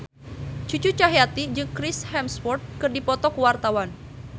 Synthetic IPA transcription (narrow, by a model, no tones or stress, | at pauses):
t͡ʃut͡ʃut͡ʃaɦeat̪id͡ʒɨŋkɾɪshɛmspɔrt̪̚kɨrdipɔt̪ɔkəwart̪awan